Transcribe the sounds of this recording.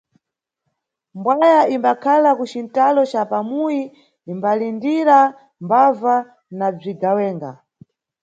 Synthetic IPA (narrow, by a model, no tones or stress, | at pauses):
mbwajaimbakʰalakut͡ʃintalɔt͡ʃapamuji | imbalindiɾa | mbava | nab͡ʐiɡawɛːŋɡa̰